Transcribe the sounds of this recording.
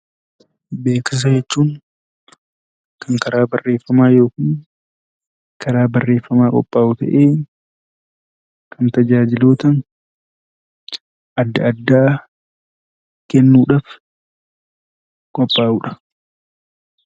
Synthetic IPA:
be̞ːkɪs̬ɐd͡ʒɛt͡ʃːuːŋ | kɐŋkɐɾaːbɐrːe̞ːfːɐmaːjo̞ːkɪn | kɐɾaːbɐrːe̞ːfːɐmaːkʼɔ̰pʼːaːʔut̪ɐ̰ʔeː | kɐnt̪ɐd͡ʒaːd͡ʒɪloːt̪ɐŋ | ʔɐd̪ːɐɐd̪ːaː | kɛnːuːᶑaːf | kʼɔpʼːaːʔuːᶑɐ̥

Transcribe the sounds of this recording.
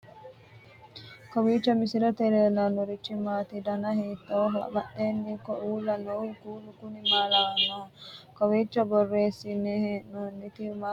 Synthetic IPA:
kɔwiːt͡ʃːɐmisiɾɐt̪ɛɾeːlɐnuɾit͡ʃːimaːt̪id̪ɐnɐɦiːt̪ːoːɦɐbɐʔenːiːkɔʔuːlɐnowkuːlukunimaːlaːnokɔwiːt͡ʃːɐbɔrːeːsinɛɦenunit̪ima

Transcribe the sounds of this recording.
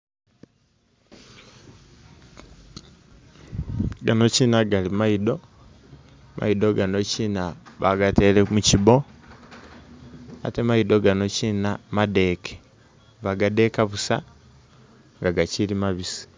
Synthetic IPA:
ɡano̞cinaɡalimaido̞ | mʔa̰idoɡano̞ciːnaβaɡatelemucibo̞ | a̰te̞maido̞ɡano̞cinamade̞kʰe̥ | βaɡade̞kaβusa | ŋɡaɡacilimaβisi̥

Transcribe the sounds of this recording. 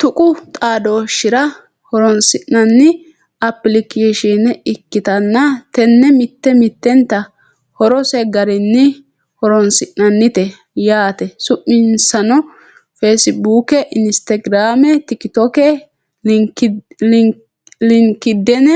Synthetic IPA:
t̪ʊkʼʊt̪ʼaːd̪oːʃɪɾɐ | hɔɾɔnsɪʔnɐnːɪ | ɐpːɪlɪkeːʃinɛɪkːɪt̪ɐnːɐt̪ɛnːɛmɪt̪ːɛmɪt̪ːɛnt̪ːɐ | hɔɾɔsɛɡɐɾɪnːɪ | hɔɾɔnsɪʔnɐnːɪt̪ɛ | jaːt̪ɛsʊʔɪnsɐnɔ | feːsɪbuːkɛʔɪnst̪ɐɡɾaːmɛt̪ɪkɪt̪ɔkɛ | lɪŋkːɪd̪ːɛnɛ

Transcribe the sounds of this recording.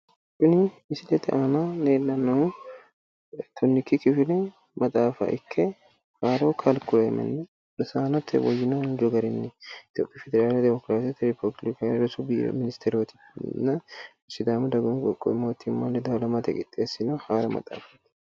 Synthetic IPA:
kʊnɪ | ɪsɪlɛt̪ːɛʔaːnaneːnːɐnːɐʊ | t̪ʰɔnːɪkːɪkɪfɪlɛ | mɐt̪ʼaːfɐ̰ʔɪkʰːɛ | haːɾɐwkʰɐlkʊlemɐ̰nːɛ | lɐsaːnɐt̪ʰːɛ̰wɔjːɪnɐnd͡ʒɔɡɐɾɪnːɪɪt̪joːpʼːɪfɛd̪ɛɾaːlɛd̪ɛmɔkɾaːsɪt̪ːɪɾɪpɔblɪkaɾɔsʊbḭmɪnɪst̪ʰɛɾot̪ɪ̥ | nːɐ | sːɪd̪aːmɐd̪ɐɡʊnɡʼɔkʼːɔ̰ɪmːoːt̪ʰːɪmːalːɛd̪ɐwlɐmɐt̪ɛkʼɪt̪ʼːeːsːɪnohaːɾɐmɐ̰t̪ʼa̰ːfɐ̥

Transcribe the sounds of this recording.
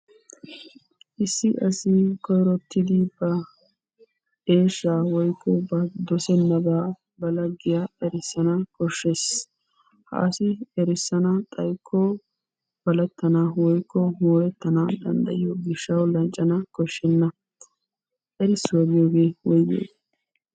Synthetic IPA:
ʔɪsːɪʔɐsɪkɔjɾɔt̪ʰːɪd̪ɪbɐ | eːʃːaːwɔjkːɔbɐd̪ɔsɛnːɐbaː | bɐlɐɡɪjaːɛɾɪsːɐnɐkɔʃːes | ha̰ːsɪɛɾɪsːɐnɐt̪ʼɐjkʰːɔ | b̥ɐlɐt̪ːɐnawɔjkʰːɔmoːɾɛt̪ːɐnad̪ɐ̰nd̪ɐ̰jɪjɔɡɪʃːɐwlɐnt͡ʃʼːɐnɐkɔʃːɛnːɐ | ɛɾɪsːwɐɡɪjoːɡe̞ːwɔjɡḛːd

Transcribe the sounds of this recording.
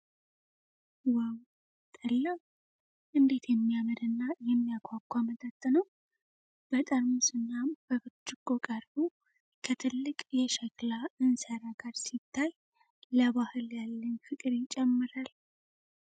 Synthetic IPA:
waw | t̪ʼəlːaw | ʔɨnd̪e̞t̪ʰjɛmːijaməd̪ɨnːajɛmːijakʷʰakʷːamət̪ʼat̪ʼːɨnəw | b̥ət̪ʼəɾmusɨnːamb̥əbɨt͡ʃːɪɡʼokʼaɾbu | kʰət̪ʰɨlːɨkʼjɛʃɛklaɨnsəɾaɡaɾsit̪ʰːaj | ləβahɨljalːənfɨkʼɨɾit͡ʃʼɛmːɨɾal

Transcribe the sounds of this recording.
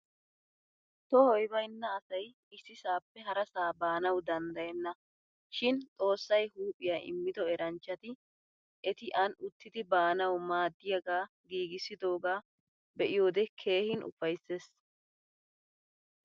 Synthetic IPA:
t̪ɔhɔjbɐjnːɐːsɐj | ɪsːɪsaːpːɛɦɐɾɐsaːbaːnɐwd̪ɐnd̪ɐjɛnːɐ | ʃɪnt̪ʼo̞ːsːɐjhuːpʼːɪjaʔɪ̰mːɪd̪ɔɛɾɐnt͡ʃːɐt̪ɪ | ʔɛt̪ɪʔɐnʊt̪ːɪd̪ɪbaːnɐwmaːd̪ːɪjɐɡaː | ɡiːɡɪsɪd̪o̞ːɡaː | bɛʔɪjo̞ːd̪ɛkʰe̞ːhɪnʔʊ̰fɐjsːeːs

